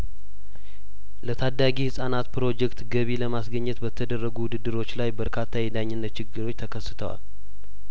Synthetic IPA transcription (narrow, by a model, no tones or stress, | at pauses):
lət̪ʰad̪ːaɡihɨsʼanat̪pɨɾo̞d͡ʒɛkt̪ɡəβiləmasɡəɲːɛt̪bət̪ʰːəd̪ərːəɡuwʊd̪ɨd̪ːɨɾo̞t͡ʃːlajbəɾkʰat̪ʰːajɛd̪aɲːɪnːət̪̚t͡ʃɪɡːɨɾo̞t͡ʃːt̪ʰəkʰəsːɨt̪ʰəwa̰l